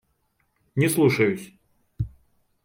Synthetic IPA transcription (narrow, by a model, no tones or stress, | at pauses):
nʲɪslˠuʂɐjʊsʲ